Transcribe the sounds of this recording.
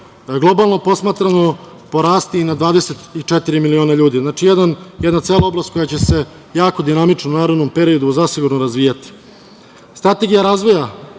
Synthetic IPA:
ɡlˠobalˠno̞po̞smaːt̪ɾano̞ | po̞ɾaːst̪inad̪ʋaːd̪eset̪it͡ʂet̪iɾimilio̞ːnaʎuːd̪iznaːt͡ʂijed̪anjed̪nat̪seːlaoblast̪ko̞jat͡ɕe̞se̞ | jaːko̞d̪inamit͡ʂnounaːɾod̪no̞mpe̞ɾio̞d̪uzasiɡuɾnoɾazʋijat̪i̥ | st̪ɾat̪e̞ɡijaɾaːzʋo̞ja

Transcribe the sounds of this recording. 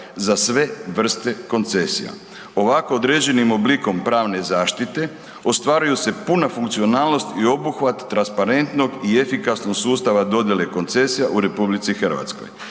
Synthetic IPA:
zasʋe̞ʋr̩st̪e̞ko̞nt̪se̞sḭja̰ | o̞ʋako̞od̪ɾed͡ʑe̞nimo̞bliko̞mpɾaːʋne̞zaːʃt̪it̪e̞ | ost̪ʋaːɾujuse̞punafuŋk̚t̪sio̞naːlˠnost̪io̞buxʋat̪ːɾanspaɾe̞nt̪no̞ɡie̞fikasno̞ɡsuːst̪aʋad̪o̞d̪je̞le̞ko̞nt̪se̞sijaʔuɾe̞publit̪sixr̩ʋa̰t̪sko̞̰j

